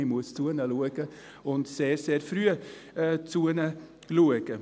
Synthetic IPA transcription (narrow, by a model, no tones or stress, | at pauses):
must̪ʰuːənəluːɪkə | ɔnseːɾseːɾfɾyːəət͡s̪ʰuːənə | luːəkə